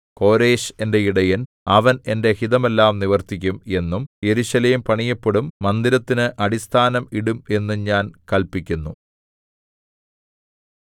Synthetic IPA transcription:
ko̞ːɾe̞ːɕe̞nde̞iɽɐjɐn | ɐʋɐne̞nde̞hiðɐme̞lːaːmniʋɐrt̪ikʲːume̞nːumje̞ɾuɕɐleːmpɐɳijɐpːeɽumːɐnd̪ilɐt̪ːinɨʔɐɽist̪ʰaːnɐmiɽume̞nːuɲaːnkɐlpikʲːunːu

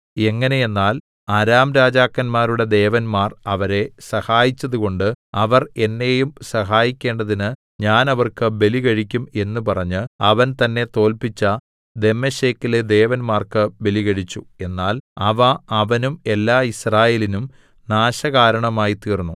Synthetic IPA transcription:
e̞ŋːɐne̞je̞nːaːl | aɾaːmɾaːd͡ʑaːkːɐnmaːɾuɽe̞d̪e̞ːʋɐnmaːrɐʋɐɾe̞sɐhaːjit͡ɕːɐðuɣo̞ɳɖɨɐʋɐre̞nːe̞jumsɐɦaːjikʲːe̞ːɳɖɐðinɨ | ɲaːnɐʋɐrkɨbe̞liɣɐɻikʲːume̞nːupɐrɐɲːɨɐʋɐnt̪ɐnːe̞t̪o̞ːlpit͡ɕːɐ | d̪e̞mɐɕeːkːiled̪e̞ːʋɐnmaːrkɨbe̞liɣɐɻit͡ɕːue̞nːaːlɐʋɐːʋɐnume̞lːaːisraːjeːlinum | naːɕɐɣaːɾɐɳɐmaːjit̪iːrnːu

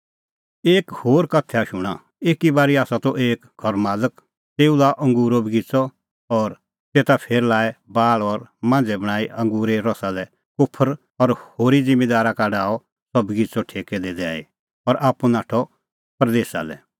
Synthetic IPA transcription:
eːkhoːɾkɐt̪ʰɛaʃʊɽ̃a | eːkibaːɾiaːsat̪ɔʔeːkɡʱɔɾmaːlək | t̪eːulaʔɐ̃ŋɡuːɾobɡit͡sɔ | ɔːɾ | t̪eːt̪apʰeːɾlaːɛbaːɭɔɾmãːnd͡zɛbɐɽ̃aːiʔɐ̃ŋɡuːɾeɾɔsalɛ | kʊpʰəɾ | ɔɾhoːɾid͡zɪ̃meːd̪aːɾakaɖaːɔ | sɔbɡit͡sɔʈʰeːkɛd̪eːd̪ɛa̰ːḭ | ɔɾʔaːpːunaːʈʰɔ | pɾd̪eːsa̰lɛ̰

